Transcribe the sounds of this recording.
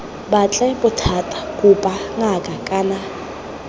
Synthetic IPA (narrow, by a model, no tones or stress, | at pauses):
bat͡ɬʼaɪbʊtʰatʼḁkʼupʼaŋakʼakʼana